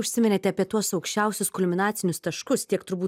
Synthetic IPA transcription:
ʊʃʲsʲɪmʲɪnʲet̪ʲɛɐpʲiɛt̪uɔsɒʊkʃʲt͡ʃʲɛˑʊsʲʊskʊlʲmʲɪnɑːt̪sʲɪnʲʊst̪ɐʃkʊst̪ʲiɛkt̪ʊɾbuː

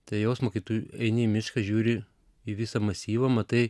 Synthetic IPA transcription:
t̪ɐɪjoːsmoːkʲɪt̪uːjuɐɪnʲɪimʲɪʃkɐʒʲuːɾʲɪ | iʋʲɪsɐmɐsʲiːʋɐmɐt̪ɐɪ

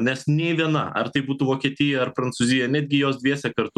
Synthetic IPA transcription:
nʲɛsnʲɛɪʋʲiɛnɐ̰ɐ̰ɾt̪ɐɪbuːt̪uːʋoːkʲiɛt̪ʲɪjɛɐɾpɾɐnt̪suːzʲɪjɛnʲæːd̪ʲɡʲɪjoːsd̪ʲʋʲiɛsʲɛkɐɾt̪ʊ

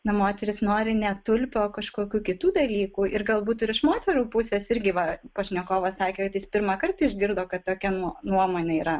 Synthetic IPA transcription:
nɐmoːt̪ʲɛɾʲɪsnoːɾʲɪnʲɛt̪ʊlʲpʲɛoːkɐʃkoːkʲuːkʲɪt̪uːd̪ɐlʲiːkuːɪrɡɐlˠbuːt̪ɪɾɪʃmoːt̪ʲɛɾuːpʊsʲɛːsɪɾʲɡʲɪʋɐpɐʃʲnʲɛkoːʋɐsɑːkʲeːkɐt̪jɪspʲɪɾmɐkɐrt̪ɐɪʒʲɡʲɪɾd̪oːkɐt̪toːkʲɛnuɔnuɔmoːnʲɛiːɾɐ

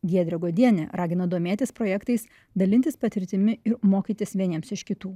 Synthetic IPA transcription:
ɡʲiɛd̪ʲɾʲɛɡoːd̪ʲiɛnʲɛɾɑːɡʲɪnɐd̪oːmʲeːt̪ʲɪspɾoːjɛkt̪ɐɪs | d̪ɐlʲɪnʲt̪ʲɪspɐt̪ʲɪɾʲt̪ʲɪmʲɪɪɾmoːkʲiːt̪ʲɪsʋʲiɛnʲiɛmsɪʃkʲɪt̪uː

